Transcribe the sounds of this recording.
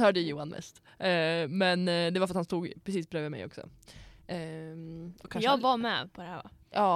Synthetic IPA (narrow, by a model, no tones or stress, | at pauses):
hœːɖəjuːanmʔɛ̰st̪ː | mɛnd̪ɛvaɾfɾt̪hanst̪uːɡpʰɾɛsiːsbɾøːvəmɛ̰jɔ̰ksɔ̰ | ɔkʰːanʂɑːɡvamɛ̰ːpʰɔd̪ɛæːva̰ɑː